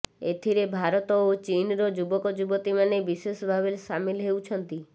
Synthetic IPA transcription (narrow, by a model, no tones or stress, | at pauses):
et̪ʰiɾebʱaɾɔt̪ɔot͡ʃinɾɔd͡ʒubɔkɔd͡ʒubɔt̪imanebisesɔbʱabeɾsamilɦeut͡ʃʰɔnt̪i